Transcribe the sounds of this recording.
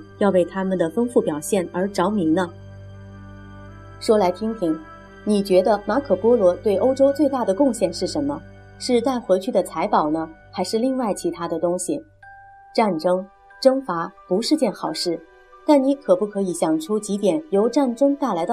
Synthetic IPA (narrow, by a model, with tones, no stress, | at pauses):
jɑ˥˧ʊwe˥˩ɪt̪ʰa˥mə˨nd̪ə˩fə˥ŋfu˥˩pjɑ˨˩ʊɕjɛ˥˩nə˞˧˥ʈ͡ʂɑ˧˥ʊmi˧˥ŋnə˧ | ʂwɔ˥la˧˥ɪt̪ʰi˥ŋt̪ʰi˧˥ŋ | ni˨˩t͡ɕɥɛ˧˥d̪ə˧ma˧˥kʰɤ˨˩pwɔ˥lwɔ˧˥t̪we˥˩ɪʔo˥ʊʈ͡ʂo˥ʊt͡swe˥˧ɪt̪a˥˩d̪ə˩kʊ˥˧ŋɕjɛ˥˧nʂɻ̩˥˩ʂə˧˥nmə˧ | ʂɻ̩˥˧t͡sa˥˩ɪxwe˧˥ɪt͡ɕʰy˥˩d̪ə˩t͡sʰa˧˥ɪpɑ˨˩ʊnə˦xa˧˥ɪʂɻ̩˥˧li˥˧ŋwa˥˩ɪt͡ɕʰi˧˥t̪ʰa˥d̪ə˨t̪ʊ˥ŋɕi˨ | ʈ͡ʂa˥˩nʈ͡ʂɤ˥ŋ | ʈ͡ʂɤ˥ŋfa˧˥pu˧˥ʂɻ̩˥˧t͡ɕjɛ˥˩nxɑ˨˩ʊʂɻ̩˥˩ | t̪a˥˩nni˧˥kʰɤ˨˩pu˥˩kʰɤ˧˥i˧˥ɕjɑ˨˩ŋʈ͡ʂʰu˥t͡ɕi˧˥t̪jɛ˨˩˦njo˧˥ʊʈ͡ʂa˥˩nʈ͡ʂɤ˥ŋt̪a˥˩ɪla˧˥ɪd̪ə˧